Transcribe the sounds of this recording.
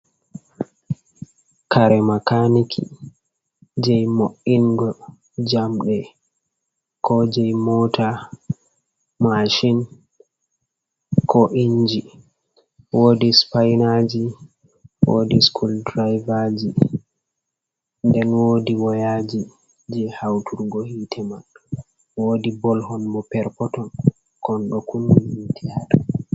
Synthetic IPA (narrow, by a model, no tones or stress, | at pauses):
kaɾɛmakanikʰḭ | d͡ʒɛjmoʔinɡɔ | d͡ʒamɗɛ | kʰɔd͡ʒɛjmɔtʰa | maʃin | kʰɔʔiɲd͡ʒi | woːdispajnad͡ʒi | wo̰ːdiskʰuldɾajvad͡ʒi | ndɛnwoːdiwɔjad͡ʒi | d͡ʒɛhawtʰuɾɡɔhiːtʰɛman | woːdibɔlhɔnmɔpɛɾkɔtɔn | kɔnɗɔkunːuitʰiaɗɔ